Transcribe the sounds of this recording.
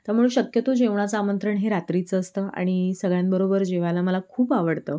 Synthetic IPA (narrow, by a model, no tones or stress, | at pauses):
t̪əm̤əɭuːnɕəkjət̪od͡ʑeʋɳ̃at͡saaːmənt̪ɾəɳɦeɾat̪ɾit͡səːst̪əa̰ɽ̃isəɡɭjãnbəɾobəɾd͡ʑeʋalaməlakʰuːpaʋəɽt̪ə